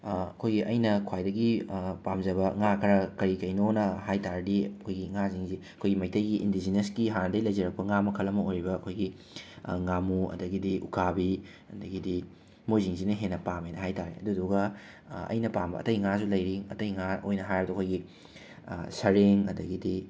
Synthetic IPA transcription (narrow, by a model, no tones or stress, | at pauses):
ɐkʰojɡiʔɐjnɐkʰwajdɐɡipamzɐβɐŋakʰɐɾɐkɐɾikɐjnonɐɦajtaɾɐdiɐkʰojɡiŋaziŋziɐkʰojɡimɐjtɐjɡiʔḭndizinesɡiɦanɐdɐilɐjzɐɾɐk̚pɐŋamɐkʰɐlɐmɐojɾibɐːkʰojɡi | ŋamuɐ̰dɐɡidiʔukʰabi | ɐdɐɡidi | mojziŋzinɐɦenːɐpamejnɐɦajtaɾḛɐ̰duduɡɐ | ɐ̰jnɐpambɐ̰ɐ̰tɐjŋasulɐjɾiŋɐ̰tɐjŋao̰jnɐɦajɾbɐdɐkʰojɡi | sɐɾeŋɐ̰dɐɡidi